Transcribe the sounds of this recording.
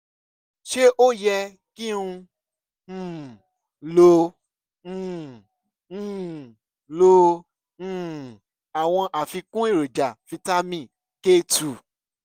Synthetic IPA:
ʃe˦ʔo˦jɛ˧ | ki˦ũ˧˨ | lõ˧˨ | lõ˧˨ | a˨w̃ɔ̃˧ʔa˨fi˧kũ˦i˦˨ɾo˨d͡ʒa˨fi˧ta˦mĩ˦˨ | ke˦˨tu˨

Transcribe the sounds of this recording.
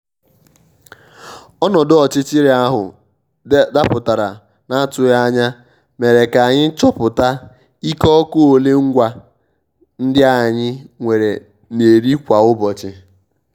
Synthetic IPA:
ɔ˦nɔ˨dɔ˨t͡ʃɪ˦t͡ʃɪ˦ɾi˨a˦ɦʊ̰˨ | da˦pʊ˨ta˨ɾa˨ | na˦a˦tʊ˨ja˦ɲa˦ | me˨ɾe˨ka˨ɲɪ˦t͡ʃɔ˦pʊ˨ta˦ | i˦kɔ˦ko˦o˨le˦ŋ̩˦ɡʷa˨ | n̩˦dɪ˦a˦˨ɲɪ˦ŋʷe˨ɾe˨ | ne˨ɾi˦kʷa˨ʊ˦bɔ˨t͡ʃɪ˦

